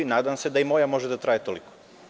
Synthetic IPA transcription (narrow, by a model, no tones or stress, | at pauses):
inaːd̪amsed̪aimo̞jamo̞ʒed̪at̪ɾaːjet̪oliko̥